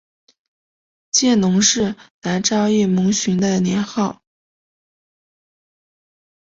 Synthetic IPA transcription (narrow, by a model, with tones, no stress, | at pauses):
t͡ɕjɛ˥˩nʊ˧˥ŋʂɻ̩˥˩na˧˥nʈ͡ʂɑ˥˧ʊi˥˩mʊ˧˥ŋɕy˧˥nd̪ə˧njɛ˧˥nxɑ˥˩ʊ